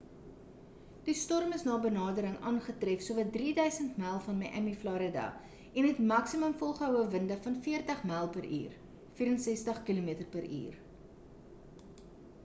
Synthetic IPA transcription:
d̥istɔrməsnɑːbənɑːdəɾəŋʔɑːnχətrɛfsuəvɐt̚driːdœɥsəntmɛlˠfɐnmɛʔɛmiflɑːɾədɐ̰ | ɛnɦɛtmɐksiməmfɔlˠχəəwəvəndəfɐnfiərtəχmɛːlˠpəɾʔḭːr | fiːɾənsɛstəχkilumiətərpəɾḭːr

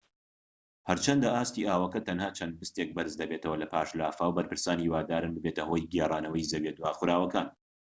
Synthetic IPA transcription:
hɐɾt͡ʃʰɐnd̪ɐʔaːst̪iːʔaːwɐkɐt̪ʰɐnhaːt͡ʃʰɐnd̪̚bɨst̪ek̚bɐɾɨzd̪ɐbet̪ɐwɐlɐpʰaːʃlaːfaːwbɐɾpʰɨɾsaːnhiːwaːd̪aːɾɨnbɨbet̪ɐhoːjɡeːraːnɐwɐjzɐbed̪waːxʊɾaːwɐkaːn

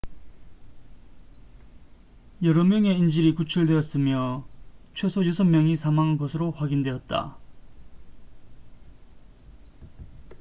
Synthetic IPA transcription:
jʌɾʌmjʌŋe̞ind͡ʑiɾikut͡ɕʰuɭdwe̞ʌs͈ɯmjʌt͡ɕʰwe̞sʰojusʰʌmmːjʌŋisʰamaŋanɡʌsʰɯɾoɸwaɡindwe̞ʌt̚t͈a̰

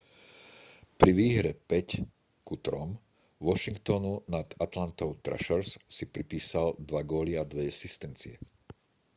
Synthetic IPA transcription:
pɾiʋiːɦɾɛpɛc | kut̪ɾɔm | ʋɔʃiŋkt̪ɔnunad̪at̪lant̪ɔʊt̪ɾʔa̰ʃɛɾssipɾipiːsald̪ʋaɡɔːliad̪ʋɛɛsist̪ɛnt͡siɛ̰

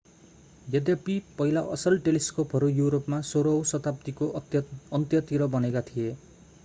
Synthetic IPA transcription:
jʌd̪japipʌɦilaʔʌsʌlʈeliskopʰʌɾujuɾopmasoɾʌwsʌt̪apt̪ikoʌnt̪jʌt̪iɾʌbʌnekat̪ʰie

